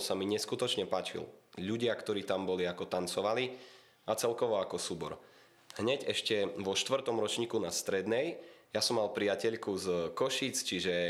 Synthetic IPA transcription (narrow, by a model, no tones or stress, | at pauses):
samiɲɛskut̪ɔt͡ʃɲɛpaːt͡ʃḭlʎuɟɪakt̪ɔɾiːt̪ambɔliakɔt̪ant͡sɔʋali | at͡sɛlkɔʋɔakɔsuːbɔɾ | hɲɛɟɛʃcɛʋɔʃt̪ʋr̩t̪ɔmɾɔt͡ʃɲiːkunast̪ɾɛd̪nɛjjasɔmːalpɾiacɛʎkuzkɔʃiːt͡st͡ʃiʒɛ